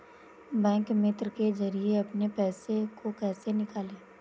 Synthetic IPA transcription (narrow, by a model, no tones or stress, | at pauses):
bɛ̃ːŋkmɪt̪ɾkezɐɾieɐpnepɛːsekokɛːsenɪkaːlẽː